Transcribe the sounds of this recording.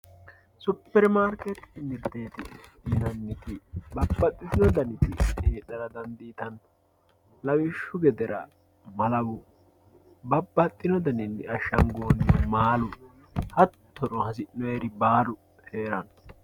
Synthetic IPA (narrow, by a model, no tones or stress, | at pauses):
sʊpːɛɾmaːɾkɛt̪ɪmɪɾt̪eːt̪ɪd̪iːnɐnːɪt̪ɪbɐbːɐt̪ʼːɪsɪnɔd̪ɐnɪt̪ɪ̰heːɗɐɾɐd̪ɐnd̪iːt̪ɐn | lɐwɪʃːʊɡɛd̪ɛɾɐ̰ | mɐlɐwʊ | bɐbːɐt̪ʼːɪnɔd̪ɐnɪnːɪɐʃɐŋɡoːnmaːlʊ | hɐt̪ʰːɔɾʊhɐsɪʔnɔɛɾɪbaːɾʊ | heːɾɐn